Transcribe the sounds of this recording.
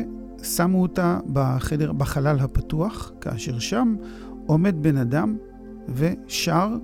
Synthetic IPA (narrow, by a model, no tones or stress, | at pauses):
samuotabaχedeʁbaχalalɦapatuaχkaːʃe̞ʁʃam | ʔo̞me̞d̚be̞nadam | ve̞ʃaʁ